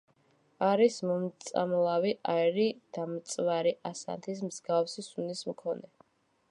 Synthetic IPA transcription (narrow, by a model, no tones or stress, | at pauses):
aɾismɔmt̪sʼa̰mlˠaviʔaɛɾid̪̥amt̪sʼvaɾiʔasa̰nt̪ʰis̬mzɡafsisunismkʰɔnɛ